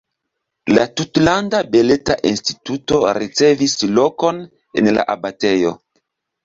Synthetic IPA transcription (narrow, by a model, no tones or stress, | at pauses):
la̰tutlandabe̞leta̰ʔinsti̥tuto̞ɾit͡se̞vislo̞ko̞n | e̞̰nla̰ʔabate̞jo̞̰